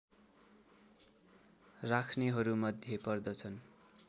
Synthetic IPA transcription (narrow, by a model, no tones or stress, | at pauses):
rakʰneɦʌɾumʌd̪ʱjepʌrd̪ʌt͡sʰʌn